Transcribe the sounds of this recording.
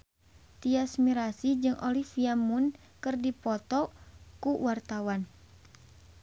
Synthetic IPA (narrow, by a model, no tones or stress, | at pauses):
t̪iasmiɾasid͡ʒɨŋʔɔlifiamun | kɨrdipɔt̪ɔkuwart̪awan